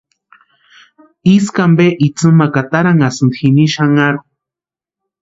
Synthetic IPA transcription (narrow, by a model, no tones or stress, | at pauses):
iskambeʔit͡sɨmakat̪aɾaŋasɨnd̪xiniʃaŋaɾu